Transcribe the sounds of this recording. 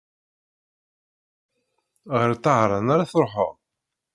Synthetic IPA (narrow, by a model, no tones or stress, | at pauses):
ʁəɾt̪ːəʁɾˤɑnaɾaθɾˤħo̰ʁ